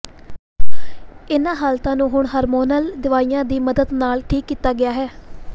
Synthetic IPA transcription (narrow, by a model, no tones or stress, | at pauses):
ɪnãːɦaːlt̪ãːnũːɦʊɳɦaːɾmoːnəld̪ɪʋaːijãːd̪iːməd̪əd̪naːlʈʰiːkːiːt̪aːɡɪaːɦɛː